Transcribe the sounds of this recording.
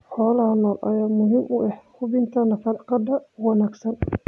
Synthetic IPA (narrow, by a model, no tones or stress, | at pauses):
ħɔːlɐhɐnɔːlʔɐ̰jaːmʊɦiːmʔʊʔɛħkʰʊbɪnt̪ʰɐnɐfɑɾqɑd̪ɐwɑnaːɡsɐn